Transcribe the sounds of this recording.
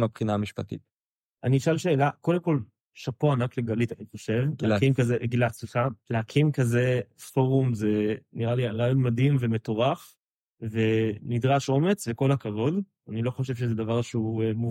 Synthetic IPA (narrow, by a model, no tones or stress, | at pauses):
mapχinaamiʃpatḭt | ʔaniːʃalʃe̞ːlako̞de̞mko̞l | ʃapoanakleɡalit̪aioʃevkimkazeɡilasliχaleakʰimkazefo̞ʁumzeniʁalialajmadimvemeto̞ʁaf | venid̪ʁaʃo̞met͡sveko̞lhakavo̞d | anilo̞χoʃ̬evʃezedavaʁʃeuemu